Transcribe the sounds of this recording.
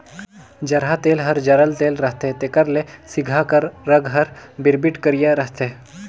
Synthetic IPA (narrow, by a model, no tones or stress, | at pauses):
d͡ʑəɾɦat̪elɦəɾd͡ʑəɾəlt̪elɾəɦt̪et̪ekəɾlesiɡʱakəɾːəɡɦəɾbiɾbiʈkəɾijeɾəɦt̪e